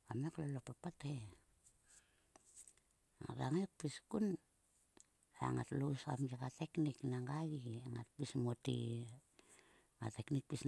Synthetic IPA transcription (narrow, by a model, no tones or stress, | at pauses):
ameklalopapate | aŋa̰taŋek̚piskun | eŋa̰tlosa̰mjekatekniknaŋɡaɡieŋat̚pismotḭ | ŋa̰teknik̚pis